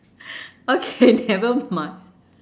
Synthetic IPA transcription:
okʰenɛvəma

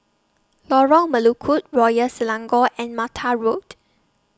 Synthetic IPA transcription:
lɔɹəlməlukʰut̚ɹɔjəsɛlãŋɡɔʔɛ̃nmatʰaɹot

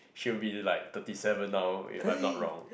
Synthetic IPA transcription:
ʃiwbilaɪk̚t̪ətisɛvə̃nːaʊɪ̰fãɪmnɔt̚ɹɔ̰̃ŋ

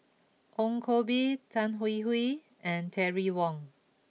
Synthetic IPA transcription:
ʔɔ̃ŋkʰobitʰãnɦuiɦwi | ɛ̃ntʰɛɹiwɔ̃ŋ

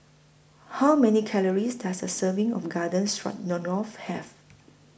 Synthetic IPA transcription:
hawmɛnikʰɛləɹisdasəsəvĩŋɔ̰fɡadə̃nsɹɔ̰t̚nɔ̃nɔfhɛv

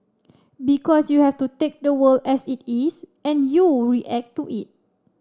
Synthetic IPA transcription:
bikɔsjuhɛftutek̚dəwəldɛsitisɛ̃njuɹiʔɛk̚tːuʔit̚

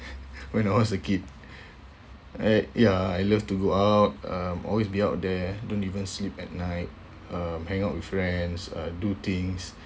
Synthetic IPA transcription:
wɛ̃natwɔsəkid̚ | ajaajləftuɡoawt̚ʌ̃mʔɔ̰lwesbiawt̚dɛdõntivə̃nslipɛt̚naɪt̚ | ʌmhɛ̃ŋawt̚wiffɹɛ̃nsʌ̰dut̪ĩŋs

